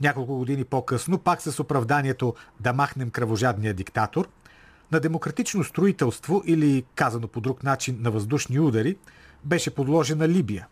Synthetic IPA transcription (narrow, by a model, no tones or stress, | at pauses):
nʲakolˠkʊɡod̪inipokɤsnopaksɐsopɾɐvd̪aniɛt̪od̪ɐmaxnɛmkɾɐvoʒad̪nijəd̪ikt̪at̪oɾ | nɐd̪ɛmokɾɐt̪it͡ʃnost̪ɾoit̪ɛlˠst̪voʔilikazɐnopod̪ɾukn̪at͡ʃinːɐvɐzd̪uʃniud̪ɐɾi | bɛʃɛpod̪lˠɔʒɛnɐlibijə